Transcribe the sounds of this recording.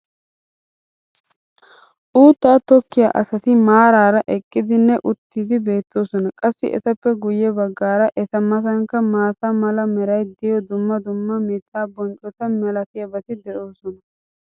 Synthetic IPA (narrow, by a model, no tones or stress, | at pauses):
ʔuːt̪ːaːt̪ɔkːɪja̰ːʔɐsɐt̪ɪmaːɾaːɾɐʔɛkʼːɪd̪ɪnːɛʔʊt̪ːiːd̪ɪbe̞ːt̪ʰːo̞ːsɔnɐkʼɐsːɪ̰ʔɛ̰t̪ɐpːɛɡʊjɛbɐɡːaːɾɐʔɛt̪ɐmɐt̪ɐŋkːɐmaːt̪ɐmɐlɐmɛɾɐjd̪ɪjɔd̪ʊmːɐd̪ʊmːɐmɛt̪ʰːaːbɔnt͡ʃʼɔt̪ɐnmɛlɐt̪ɪjɐbɐt̪ɪd̪ɛʔo̞ːsɔnɐ